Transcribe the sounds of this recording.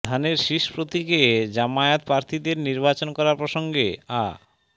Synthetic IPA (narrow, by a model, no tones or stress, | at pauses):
d̪ʱaneɾʃiʃpɾot̪iked͡ʑamaet̪pɾaɾt̪ʰid̪eɾniɾbat͡ɕonkɔɾaɾpɾoʃoŋɡḛa̰